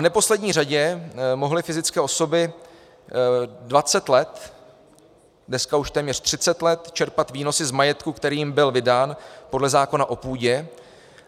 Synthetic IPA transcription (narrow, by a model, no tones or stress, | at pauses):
vnɛpo̞slɛdɲiːr̝aɟɛmo̞ɦlɪfɪzɪt͡skɛːʔo̞so̞bɪ | dvat͡sɛt̪lɛt̪ | dnɛskauʃt̪ɛːmɲɛr̝̥t̪r̝̥ɪt͡sɛt̪lɛt̪t͡ʃɛɾpat̪viːno̞sɪzmajɛt̪kukt̪ɛɾiːjɪmbɪlvɪdaːnpo̞dlɛzaːko̞naʔo̞puːɟɛ